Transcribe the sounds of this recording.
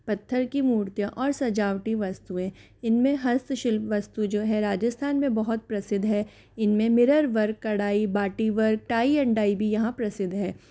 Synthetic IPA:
pɐt̪ʰːəɾkimuːɾt̪jə̃ʔɔːɾsɐd͡ʒaːʋʈiʋɐst̪uẽ | ɪnmẽɦɐst̪ʰʃɪlpʋɐst̪ud͡ʒoːɦɛɾaːd͡ʒəst̪ʰaːnmẽbɐɦʊt̪̚pɾɐsɪd̪ʱɦɛː | ɪnmẽmɪɾəɾʋɐɾkːɐɽaːibaːʈiʋɐɾk̚ʈaːiɐ̃ɳɖaːibʱijɐɦãpɾɐsɪd̪ʱɦɛː

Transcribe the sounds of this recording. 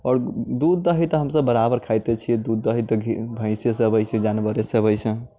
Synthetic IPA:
ɔːɾd̪ud̪ːəɦit̪ɔɦəmsəbːəɾabəɾkʰajt̪et͡ʃʰiɛd̪ud̪ːəɦit̪ɔbʱə̃ɪ̃sesəbəjsẽd͡ʒanbəɾesəbəjsʰɛ̃

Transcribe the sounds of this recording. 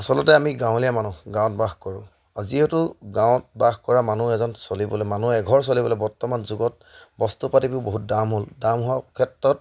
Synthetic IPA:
asɔlɔtɛamiɡãw̃lijamanuɡãw̃tbaxkɔɹʊ̃ | aziotʊɡãw̃t̚baxkɔɹamanuɛzɔnsolibɔlɛmanuɛɡʱɔɹs̬olibɔlɔɛbɔɹtɔmanzuɡɔt̚ | bɔstupatipuboɦut̚damɦoldamɦʊwakʰɛtɹɔt̚

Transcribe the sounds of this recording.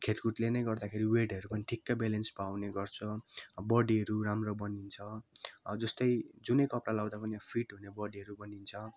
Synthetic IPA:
kʰeʈkuʈlenʌjɡʌrd̪akʰeɾiweɖʌɾupʌniʈʰikːabelenspawneɡʌrt͡sʰʌbʌɽiʌɾuramrʌbʌnint͡sʰʌd͡zʌst̪ʌjd͡zunʌjkʌpɽalawd̪apʌnipʰiʈɦunebʌɽiɦʌɾubʌnint͡sʰʌ

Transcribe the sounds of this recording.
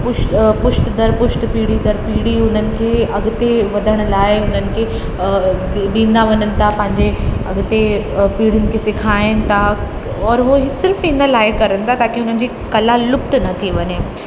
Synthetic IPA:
pʊʃpʊʃt̪d̪ɐɾpʊʃʈ̪piːɽ̤id̪ɐɾpiːɽiʊn̤ənɪ̆kʰeːɐɠt̪eʋɐd̪ʱəɽ̃ʊ̆laːɪʊnənɪ̆kʰeː | ɗĩːnd̪aʋɐɲənɪ̆t̪ʰapɐ̃ɦɪ̃ɲd͡ʑeɐɠt̪epiːɽɪnɪ̆kʰeːsɪkʰaːɪnɪ̆t̪ʰa | ɔːɾɦusɪɾfɪnəlaːɪkɐɾənɪ̆t̪ʰat̪aːkiʊn̤ənɪ̆d͡ʑiː | kɐlalʊpt̪nɐt̪ʰiʋɐɲe

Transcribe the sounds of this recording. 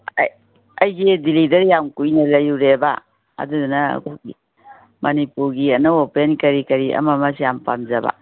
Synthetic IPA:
ɐjɡidilidɐɾjamkujnɐlɐjuɾeba̰ | ɐ̰dudunɐ̰koɡḭ | mɐnipuɾɡiɐnɐwopenkɐɾikɐɾiʔɐ̰mɐmɐsijampa̰mzɐba̰

